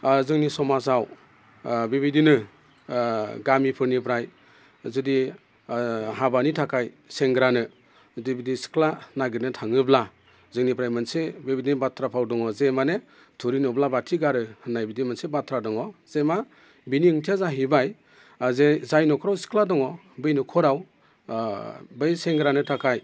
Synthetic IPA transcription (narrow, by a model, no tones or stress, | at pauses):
zɯŋnisɔmasaw | bibidinɯ | ɡamipʰɯɾnipʰɾaj | zɯdi | ɦabanitʰakʰaj | seŋɡɾanɯ | dibidisi̥kʰlanaɡɯɾnɯtʰaŋɯbla | zɯŋnipɾajmɯnsebebidinibatʰɾapʰawdɔŋɔzemane | tʰuɾinɔblabatʰiɡaɾɯhɯnːajbidimansebatʰɾadɔŋɔz̥ema | biniɯŋtʰijazaɦibaj | zezajnɔkʰɔɾawsi̥kʰladɔŋɔ | bɯjnɔkʰɔɾaw | bɯjseŋɡɾanɯtʰakʰaj